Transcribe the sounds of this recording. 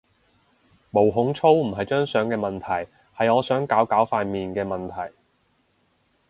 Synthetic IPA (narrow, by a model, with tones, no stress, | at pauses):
mo˨˩wɦʊ˨˥ŋt͡sʰo˥wm̩˨˩ɦɐ˨jt͡ʃœː˥ŋsœː˨˥ŋkɛː˧mɐ˨nt̪ʰɐ˨˩j | hɐ˨jɔː˨˧sœː˨˥ŋkaː˨˥wkaː˨˥wfaː˧nmiː˨nkɛː˧mɐ˨nt̪ʰɐ˨˩j